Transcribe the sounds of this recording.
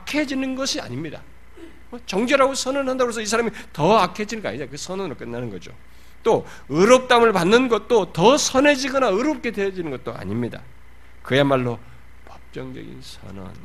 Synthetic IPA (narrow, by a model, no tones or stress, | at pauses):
akʰe̞d͡ʑinɯnɡʌɕʰia̰ɲimɲida̰ | ʌt͡ɕʌŋd͡ʑeɾaɡosʰʌnʌnhandaɡɾos̬ʰʌis̬ʰaɾamitʌakʰe̞d͡ʑinɯɡʌa̰ɲinakɯsʰʌnʌnɾɭok͈ɯnːanɯnɡʌd͡ʑo̰ | t͈o | ɯɾʌp̚t͈amɯɭpanːɯnɡʌt̚t͈otʌsʰʌne̞d͡ʑiɡʌnaɯɾʌp̚k͈e̞dwe̞jʌd͡ʑinɯnɡʌt̚t͈oa̰ɲimɲida̰ | kɯjemaɭːo | pʌp̚t͡ɕ͈ʌŋd͡ʑʌ̰ɡḭnsʰʌ̰nʌ̰n